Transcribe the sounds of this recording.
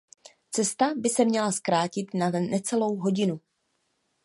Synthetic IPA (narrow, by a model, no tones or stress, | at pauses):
t͡sɛst̪abɪsɛmɲɛlaskɾaːcɪt̪nanɛt͡sɛlo̞wɦo̞ɟɪnu